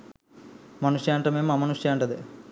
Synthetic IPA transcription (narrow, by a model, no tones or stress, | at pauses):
mɐnuʂjaːɳʈɐmeːmːɐmɐnuʂjaːɳʈɐd̪e